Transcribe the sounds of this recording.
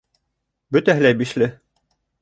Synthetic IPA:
bɵt̪æɦɘlæjbiʃlɘ

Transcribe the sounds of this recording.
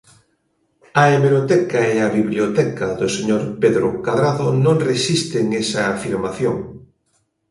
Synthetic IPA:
ɐeβeɾot̪ɛkɐeɐβiβljot̪ɛkɐðʊseɲoɾpeðɾʊkaðɾaðonõŋresist̪ɪŋesɐːfiɾmaθjoŋ

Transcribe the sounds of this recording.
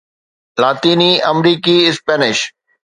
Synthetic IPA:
laːt̪iːniɐmɾiːkiɪspɛːnɪʃ

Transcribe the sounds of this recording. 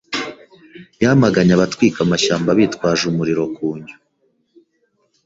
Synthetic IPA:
jamaɡaɲaβatwiːkamaʃaːmbaβiːtkwaːʒumuɾiɾo̞kuːɲɟu

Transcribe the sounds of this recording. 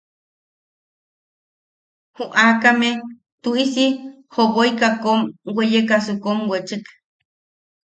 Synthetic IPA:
huʔakame | t̪uʔisi | hoɣojkakomwejekasukomwet͡ʃɨk

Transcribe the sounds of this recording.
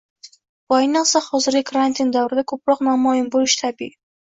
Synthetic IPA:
bʊajnɨqsahɒzɪɾɡʲɪkʰɾant̪ʰind̪awɾɪd̪akʰɵpɾɒqnamɒjɪmbolˠɪʃt̪ʰabḭʔ

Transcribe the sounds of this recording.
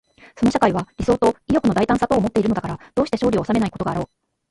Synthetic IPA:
so̞no̞ɕakaiβaɾʲiso̞ːt̪o̞ijo̞kɯ̟no̞d̪ait̪ãsat̪o̞ːmo̞t̪ːe̞iɾɯ̟noakaɾad̪̥o̞ːɕi̥te̞ɕoːɾʲioːsame̞naiko̞t̪ɡaːɾo̞ː

